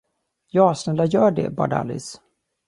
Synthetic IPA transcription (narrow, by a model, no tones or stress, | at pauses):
jɑːsnɛlajœːɖɛ̰bɑ̰ɖa̰lɪ̰s